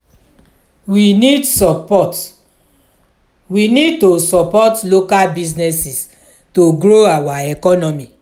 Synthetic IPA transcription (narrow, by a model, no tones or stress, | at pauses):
winidsɔpɔt | winid̚tosɔpɔtlokalbiznɛsis | toɡɾoawaɛkɔnɔmi